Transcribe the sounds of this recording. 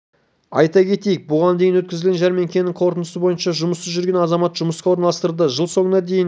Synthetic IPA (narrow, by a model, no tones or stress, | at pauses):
ɑjt̪ɑkʲʰe̞t̪ejɪk̚bʊʁɑnd̪e̞jɪnwɵt̪̚kʲɪzɪlɡʲenʒæɾme̞ŋkʲʰe̞nɪŋqʰo̞ɾt̪ənəsəbo̞jənʃɑʒʊməsəʒʏɾɡʲe̞nɑzɑmɑt̪ʒʊməsqɑwo̞ɾnɑlˠɑst̪əɾd̪əʒəlˠso̞ɴənɑd̪e̞jɪn